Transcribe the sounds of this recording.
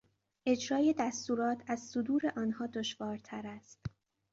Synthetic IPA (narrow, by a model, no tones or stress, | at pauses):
ʔe̞d͡ʒɾɒːje̞d̪æst̪uːɾɒːt̪ʰæzsod̪uːɾe̞ʔɒːnhɒːd̪oʃvɒːɾt̪ʰæɾæst̪